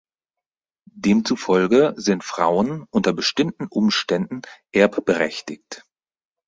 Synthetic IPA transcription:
d̥eːmt͡sufɔlɡəzɪntfʁ̥a̰ʊənʔʊntɐbəʃtɪmtn̩ʔʊmʃtɛndn̩ʔɛɐpb̥əʁɛçtɪkt

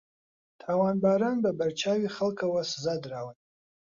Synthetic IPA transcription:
tʰawanbaɾanbabart͡ʃʰaɥiχəlkʰawaszadrawan

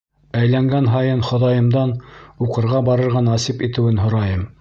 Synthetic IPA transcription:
æjlæŋɡænɦɑjɤnχŏðɑjɤ̆md̪ɑnuqɤ̆ɾʁɑbɑɾɤ̆ɾʁɑnɑsipit̪ɘ̆wɘnɦŏɾɑjɤm

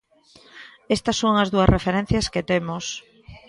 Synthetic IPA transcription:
est̪ɐsːoŋɐzðuɐzrefeɾɛ̃n̟θjɐsket̪emos

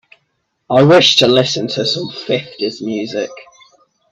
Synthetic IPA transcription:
aɪwɪʃtʰəlɪsə̃ntʰəsə̃ɱfɪftɪz̥mjʉːzɪ̰k

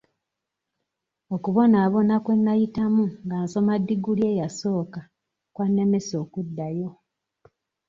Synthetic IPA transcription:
okuβo̞naːβo̞nakwe̞nːajitamuŋɡaːnso̞madːiɡulje̞ːjaso̞ːka | kwanːe̞me̞so̞ːkudːajo̞

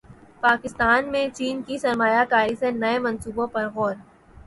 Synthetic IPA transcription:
paːkɪst̪aːnmẽt͡ʃiːnkisɐɾmaːjakaːɾisenɐemɐnsuːbõpɐɾɣɔːɾ

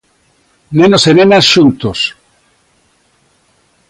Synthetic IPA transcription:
nenosenenasʃunt̪os

